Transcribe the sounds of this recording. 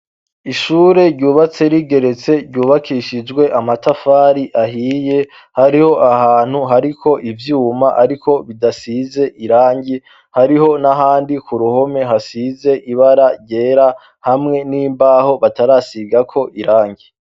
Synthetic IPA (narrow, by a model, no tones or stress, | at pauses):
iʃuːɾe̞ɾɟuːβat͡se̞ɾiɡe̞ɾe̞t͡se̞ɾɟuːβakʰiʃid͡ʒɡwe̞ʔamatafaːɾiʔaɦiːje | haɾiho̞ʔaɦaːn̥huɦaɾikʰo̞ʔivjuːmaʔaɾikʰo̞βidasize̞ʔiɾaːɲɟi | haɾiɦo̞naɦaːndikuɾuho̞me̞ɦasize̞ʔiβaɾaɾɟe̞ːɾa | hamŋe̞niːmbaːho̞βataɾaːsiɡakʰo̞ʔiɾaːɲɟi